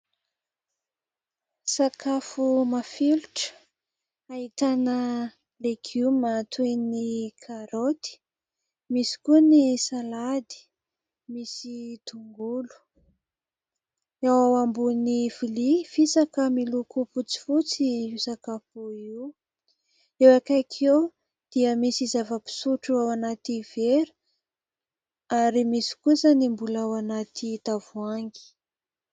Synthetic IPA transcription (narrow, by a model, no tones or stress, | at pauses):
sakafumafilʈ͡ʂə̥ | aɦit̪anə | lekʰiumat̪ʰwenikʰaɾot̪i̥ | misi̥kunisalad̪i̥ | misit̪uŋɡulu̥ | awawambunifilifisakəmilukuput͡si̥fut͡siusakapuiw | ewakajkʰew | d̪̥iəmisizavəpi̥suʈ͡ʂuawanat̪iveɾu̥ | aɾimisi̥kuzanimbulawanat̪it̪avuaŋɡi̥